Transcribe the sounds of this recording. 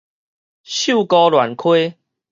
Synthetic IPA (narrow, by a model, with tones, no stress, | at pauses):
ɕu˥˨kɔ˦lwa˨˩nkʰwe˦